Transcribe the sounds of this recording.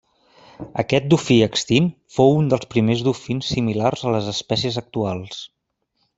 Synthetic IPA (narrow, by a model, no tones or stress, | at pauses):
ə̰kɛt̪̚d̪ufiəkst̪infowund̪əlˠspɾimezðufinsːimilarzələzəspɛsiəzək̚t̪ualˠs